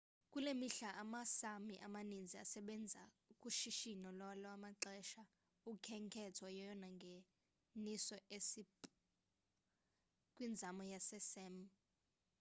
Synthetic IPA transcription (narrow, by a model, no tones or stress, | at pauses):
kʼulemiɬaʔamasamiʔamanind͡zʱia̰sɛɓɛnd͡zʱa̰ | kʼuʃiʃinɔlɔlɔamaǁɛʃa | ukʰɛŋkʰɛtʰajɛjɔnaŋɡʱe | nisɔʔesi | kʼwind͡zʱamɔjasɛsɛm